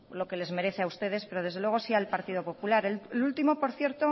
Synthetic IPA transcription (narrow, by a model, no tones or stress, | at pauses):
lo̞ke̞le̞zme̞ɾe̞θeaust̪e̞ð̞e̞spe̞ɾo̞ð̞e̞zðelwe̞ɣ̞o̞sialpaɾt̪ið̞opo̞pulaɾelult̪imo̞po̞ɾθje̞ɾt̪o̞